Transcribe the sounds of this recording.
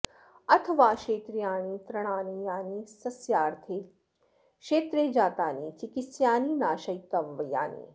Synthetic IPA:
ɐt̪ʰɐʋaːʃeːt̪ɾijaːñiːt̪ɾɐɽ̃aːnijaːniːsɐsjaːɾt̪ʰe | ʃeːt̪ɾeːd͡ʒaːt̪aːniːt͡ʃikitsjaːninaːʃɐjkɐʋʋɐja̰ːnḭː

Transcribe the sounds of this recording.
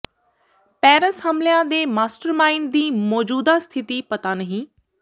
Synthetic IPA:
pɛːɾəshəmlɪjãːd̪eːmaːsʈəɾmaːind̪iːmɔːd͡ʒuːd̪aːst̪ʰɪt̪iːpət̪aːnəɦĩː

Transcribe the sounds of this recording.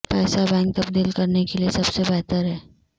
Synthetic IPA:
pɛːsabɛ̃ːŋk̚t̪ɐbd̪iːlkɐɾnekeliesɐbsebɛːt̪əɾɦɛː

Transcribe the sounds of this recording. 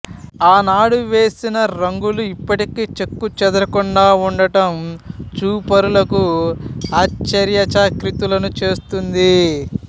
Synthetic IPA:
aːnaːɽuʋe̞ːsinɐɾɐŋɡuluipːɐʈikeːt͡ʃekːut͡ʃɛd̪ɐɾɐkuɳɖaːuɳɖɐʈɐmt͡ʃuːpɐɾulɐku | aːt͡ʃːɐɾjɐt͡ʃaːkɾit̪ulɐnut͡ʃe̞ːst̪und̪i

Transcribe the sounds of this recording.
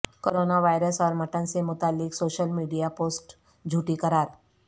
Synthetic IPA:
koːɾoːnaʋaːɪɾəsɔːɾmɐʈənsemʊt̪aːlːɪksoːʃəlmiːɖijapoːsʈ | d͡ʒʱuːʈikɐɾaːɾ

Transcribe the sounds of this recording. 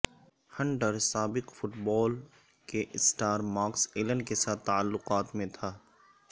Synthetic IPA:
hɐ̃ɳɖəɾsaːbɪqfʊʈbɔːl | keʔsʈaːɾmaːkseːlə̃ɳɖkesaːt̪ːalːʊqaːt̪mẽt̪ʰaː

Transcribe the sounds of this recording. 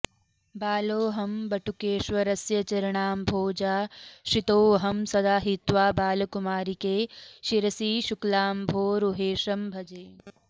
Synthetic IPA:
baːloːɦɐmbɐʈʰukeːʃʋɐɾɐsjɐt͡ʃɐɾɐɳaːmbʱoːd͡ʒaːʃit̪oːɦɐmsɐd̪aːɦit̪ʋaːbaːlɐkumaːɾikeːʃiɾɐsiːʃuklaːmbʱoːɾuɦeːʃɐmbʱɐd͡ʒeː

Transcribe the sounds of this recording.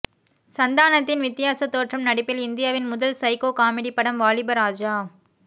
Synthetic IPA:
sɐnd̪aːnɐt̪ːɪnʋɪt̪ːɪjaːsɐt̪ːoːʈrɐmnɐɽɪpːɪlɪnd̪ɪjaːʋɪnmʊðɐlsɐɪkoːkaːmɪɽipːɐɽɐmʋaːlɪbɐɾaːd͡ʒaː

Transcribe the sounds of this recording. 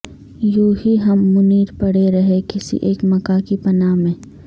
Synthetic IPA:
joːɦiɦɐmːʊniːɾpɐɽeɾɐɦekɪsḭʔeːkmɐkakipɐnaːmẽː

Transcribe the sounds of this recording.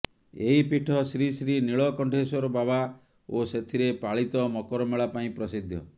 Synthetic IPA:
eɦipiʈʰɔsɾisɾiniɭɔkɔɳʈesɔɾɔbaβa | oset̪ʰiɾepaɭit̪ɔmɔkɔɾɔmeɭapaĩpɾɔsid̪ʱːjɔ̰

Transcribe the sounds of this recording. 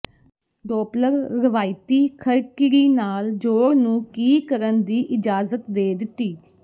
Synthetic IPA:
ɖoːpləɾːɪʋaːɪt̪iːkʰəɾkɪɾiːnaːld͡ʒoːɽnũːkiːkəɾənd̪iːʔɪd͡ʒaːzət̪d̪eːd̪ɪt̪iː

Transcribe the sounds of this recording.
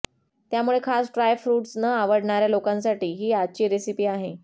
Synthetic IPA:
t̪jamuɭekʰasʈɾajfɾuːʈsnəaʋəɽɳaɾjalokãnsaʈiːɦiːad̚t͡ɕiːɾesipiːaɦe

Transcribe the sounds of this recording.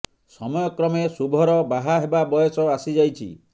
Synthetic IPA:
sɔmɔjɔkɾɔmesubʱɔɾɔbaɦaɦebabɔjɔsɔasid͡ʒajt͡ʃʰḭ

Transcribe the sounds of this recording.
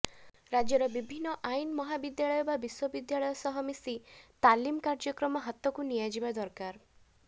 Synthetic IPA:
ɾad͡ʒjɔɾɔbibʱinːɔʔainɔmɔɦabid̪jaɭɔjɔbabiswɔbid̪jaɭɔjɔsɔɦɔmisit̪alimkaɾd͡ʒɔkɾɔmɔɦat̪ɔkunijad͡ʒibad̪ɔɾkaɾ

